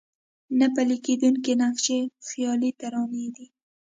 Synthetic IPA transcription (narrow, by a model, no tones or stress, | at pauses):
napaliked̪uŋkenakʃexjɑlit̪aɾɑned̪i